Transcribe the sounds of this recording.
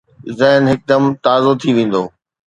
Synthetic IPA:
zɐɦnɦɪk̚d̪ɐmt̪aːzot̪ʰiʋẽːn̆d̪o̰ː

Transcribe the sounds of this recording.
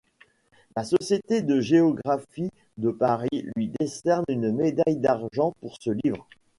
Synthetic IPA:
lasɔsjet̪ed̪əʒeɔɡʁafi | d̪əpaʁilɥid̪esɛʁnynmed̪ajd̪aʁʒɑ̃puʁsəlivʁ

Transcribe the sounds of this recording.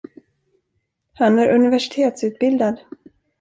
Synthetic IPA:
hanæɾʔɵnɪvæʂɪ̥t̪ʰeːt̪sʉ̟ːt̪̚bɪld̪ad̪

